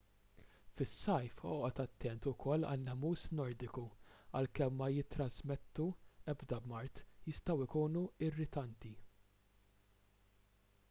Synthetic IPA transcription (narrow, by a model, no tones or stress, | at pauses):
fɪsːɐjfɔːʔɔt̪ɐt̪ːɛnt̪ʊkʰɔlːɐ̰lːɛmuːsnɔɾd̪ɪkuɐlkɛmːɐjɪt̪ːɾɐzmɛt̪ːuɛbd̪ɐbmɐɾt̪jɪst̪ɐwɪkuːnuɪrːɪt̪ɐnt̪i